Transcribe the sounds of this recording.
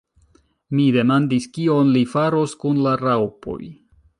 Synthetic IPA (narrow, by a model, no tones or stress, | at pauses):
mide̞mandiskio̞nlifaɾo̞skunlaɾawpo̞̰j